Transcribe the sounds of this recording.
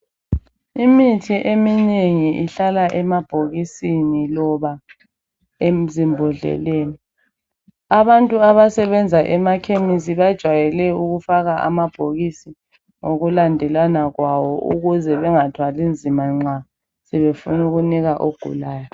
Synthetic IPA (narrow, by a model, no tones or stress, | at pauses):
imitʰiʔemineŋiʔiɬalaʔɛmab̥ʱoɣisinilɔβa | em̩zimbʱɔɮɛ̰leːni | aβantʼuaβasɛβɛnd͡zʱaʔɛmakʰemisiβad̥ʒ̥ʱwajɛlɛuɣufaɣaʔa̰mab̥ʱoɣisi | ŋoɣulandʱɛlwanaɣwawɔʔṵɣuzɛβɛŋatʰwalind͡zʱimaŋ͡ǀa | sɛβefunuɣuniɣaʔoɡ̥ʱṵlaːjɔ